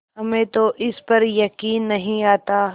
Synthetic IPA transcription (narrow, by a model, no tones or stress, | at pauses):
ɦɐmẽt̪oʔɪspɐɾjɐkiːnːɐɦĩaːt̪aː